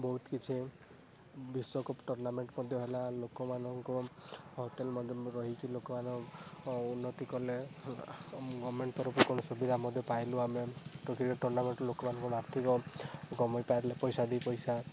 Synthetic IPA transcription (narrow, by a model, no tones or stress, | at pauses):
bɔɦut̪kit͡ʃʰi | biswɔkɔpʈɔɾnameɳʈmɔd̪ʱjɔɦelalokɔmanɔŋkɔɦoʈelmɔd̪ʱjɔɾɔɦikilokɔmanɔ̃ | unːɔt̪ikɔle | ɡɔmeɳʈt̪ɔɾɔpɔkonɔsubid̪ʱamɔd̪ʱjɔpajluameʈokiɾkɔʈɔɾnameɳʈlokɔmanɔ̃ŋkɔaɾt̪ʰikɔɡɔmɔjpajɾlepɔjsad̪ipɔjsa